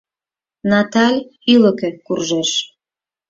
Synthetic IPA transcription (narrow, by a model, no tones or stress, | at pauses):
nɑt̪ɑlʲyləkekurʒeʃ